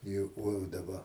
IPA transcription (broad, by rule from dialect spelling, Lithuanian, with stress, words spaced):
ˈjʊk koː jɛʊ dɐˈbɐ